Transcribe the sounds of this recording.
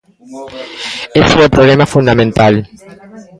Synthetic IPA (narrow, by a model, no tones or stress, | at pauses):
esuepɾolemafund̪amẽnt̪al